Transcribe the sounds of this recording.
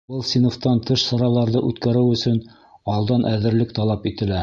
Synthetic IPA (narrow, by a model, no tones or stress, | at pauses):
bɤlˠsʲinoft̪ɑnt̪ʰɤʃsɑɾɑlˠɑɾðɤʔʉt̪kæɾɘwɵ̆sɵn | ɒlˠd̪ɑnʔæðɘ̆ɾlɘkt̪ɑlˠɑpit̪ɘ̆læ